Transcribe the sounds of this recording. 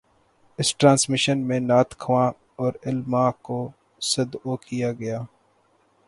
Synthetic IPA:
ɪsʈɾãːnsmɪʃənmẽnaːt̪kʰʋãː | ɔːɾɪlmãːko | sɐd̪oːkijaːɡɐjaː

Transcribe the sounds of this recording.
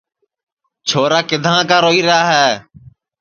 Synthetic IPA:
t͡ʃʰoːɾaːkɪd̪ʱãːkaːɾoːiːɾɪɦaːɦɛː

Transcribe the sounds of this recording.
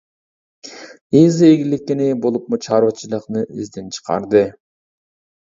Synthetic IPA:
ezeɡilikːenebolˠup̚mut͡ʃʰɑɾβɑt͡ʃʰɯlˠɯqnɯøzd̪ent͡ʃʰə̥qɑ̰ɾd̪ɯ

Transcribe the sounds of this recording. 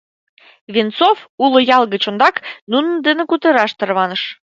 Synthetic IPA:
βʲint͡sofulojɑlˠɣət͡ɕond̪ɑknunənd̪ənə̆kut̪əɾɑʃt̪ərβɑnəʃ

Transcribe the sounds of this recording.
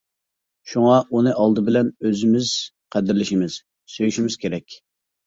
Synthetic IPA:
ʃuŋɑʔunɨʔɑlˠd̪ɨbɪlɛnøzɪmɪz̥ | qʰæd̪ɪɾlɪʃimɪz̥ | søjyʃimɪz̥kʲʰeɾɛkʲ

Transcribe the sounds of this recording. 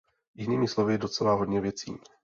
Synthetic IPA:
jɪniːmɪslo̞vɪdo̞t͡sɛlaɦodɲɛvjɛt͡sḭː

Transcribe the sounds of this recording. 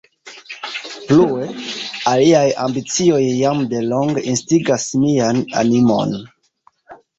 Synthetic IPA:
pluealiaja̰mbit͡sio̞jːamde̞lo̞ŋɡinstiɡasmiana̰nimo̞̰n

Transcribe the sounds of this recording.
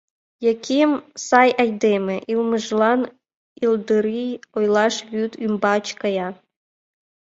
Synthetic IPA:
jɑkʲʰimsɑjʔɑjd̪emeʔilˠmɨʒlˠɑn | ilˠd̪ɨɾijojlˠɑʃβʲyt̪ymbɑt͡ɕkɑjɑ

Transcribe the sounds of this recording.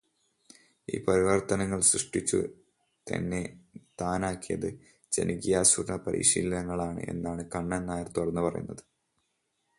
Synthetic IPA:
ḭːpɐɾiʋɐrt̪ɐnɐŋːɐɭsrɨʂʈit͡ɕːṵ | t̪ɐ̰nːe̞t̪aːnaːkːijɐðɨ | d͡ʑḛnikijaːsurɳɐpɐɾʔḭːɕḭːlɐnɐŋːɐɭaːɳɨ̰ʔe̞̰nːaːɳɨkɐɳːɐnnːaːjɐrt̪urɐnːupɐrɐ̰junːɐðɨ

